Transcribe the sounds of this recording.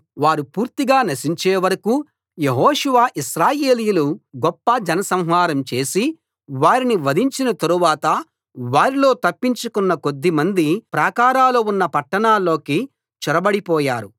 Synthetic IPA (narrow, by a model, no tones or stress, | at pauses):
ʋaːɾupuːɾt̪iɡaːnɐʃiɲt͡ʃeːʋɐɾɐku | jeɦoːʃuʋaːʔiʃɾaːje̞ːlijuluɡɔpːɐd͡ʒɐnɐsɐm̃ɦʋaːɾɐmt͡ʃe̞ːsi | ʋaːɾiniʋɐd̪iɲt͡ʃinɐt̪ɐɾuʋaːt̪ɐ | ʋaːɾilo̞ːt̪ɐpːiɲt͡ʃukunːɐko̞d̪ːimɐnd̪ipɾaːkaːɾaːloːunːɐpɐʈːɐɳaːlːo̞ːki | t͡ʃɛɾɐbɐɽipɔːjaːɾu